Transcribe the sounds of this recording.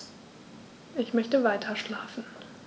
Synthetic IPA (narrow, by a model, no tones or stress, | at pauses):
ʔɪçmœçtəvaɪtʰɐʃlaːfn̩